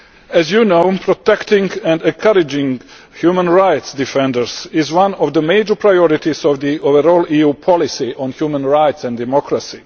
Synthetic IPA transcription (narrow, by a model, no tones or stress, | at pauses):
æzjunoʊpʰɾɔt̪ɛktɪ̃ŋɡɛ̃ndɛ̃nkʰaɾɪd͡ʒɪ̃ŋ | hjuːmə̃nɹaɪtsdɪfɛ̃ndəɹsɪzwãnɔvd̪əmeɪd͡ʒəɹpʰɹajɔɾɪt̪izɔvd̪iovəɾɔːlijuːpʰɔlɪsiʔɔ̃nhjuːmə̃nɹaɪtsɛ̃ndɛmɔkɹasi